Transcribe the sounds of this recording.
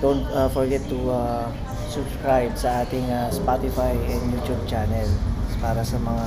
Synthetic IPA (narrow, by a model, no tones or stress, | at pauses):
d̪̥ont̪afɔɹɡɛt̪ːua | sʊbskɹajbsɐaːt̪ɪŋaspat̪ɪfajɛnd̪jut̪jub̚t͡ʃanɛlpaːɾɐsɐmɐŋa